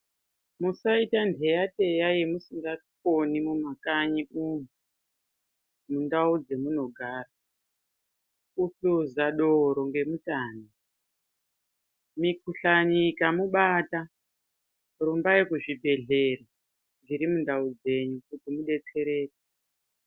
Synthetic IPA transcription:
musaitandʱe̞jate̞jaje̞musiŋɡakonimumakaɲiumu | mundaud͡ze̞muno̞ɡʱaːra | ufuzaɗoɾo̞ŋɡe̞mutaːni | mikuɬaɲikamuɓata | rumbajekuʐibʱe̞ɮe̞ra | ŋɡiɾimundaud͡ze̞ɲukutimuɗe̞t͡se̞ɾe̞ːte̥

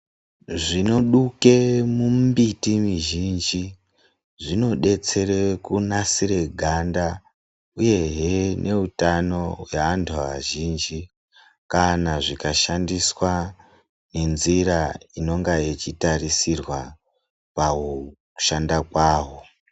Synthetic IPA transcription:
ʐino̞ɗuke̞mumbitimiʒind͡ʒi | ʐino̞ɗe̞t͡se̞rekunasire̞ɡʱanda | uje̞ɦenʔe̞utano̞weantʰuaʒiːnd͡ʒi | kanaʐikaʃandiswa | ne̞nziɾaino̞ŋɡait͡ʃitarisirwa | paoku̥ʃandakwaːwo̞

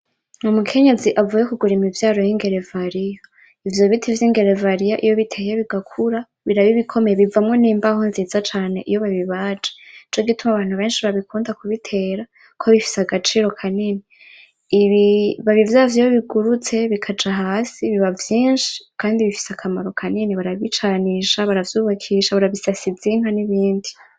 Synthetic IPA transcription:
umukʰe̞ɲe̞ziʔavujekuɡuɾimivjaːɾo̞jiŋɡe̞ɾe̞vaɾija | ivjo̞βitʰivjiŋɡe̞ɾevaɾijaʔijo̞βitʰe̞ːjeβiɡakʰuɾa | βiɾaβiβikʰo̞me̞jeβivamŋo̞niːmbahonziːzat͡ʃaːne̞ʔijo̞βaβiβaːd͡ʒe̥it͡ʃo̞ɡitumaβaːn̥huβe̞ːnʃiβaβikʰuːndakuβitʰe̞ːɾa | kʰoβifi̥seaɡat͡ʃiːɾo̞kʰanini | iβiβaβivjavjijoβiɡuɾut͡se̞βikʰad͡ʒaɦaːsiβiβavjiːnʃi̥kʰaːndiβifi̥sakʰamaɾo̞kʰaniniβaɾaβit͡ʃaniːʃaβaɾavjuːβakʰiːʃaβaɾaβisasiziːŋ̥haniβiːndi

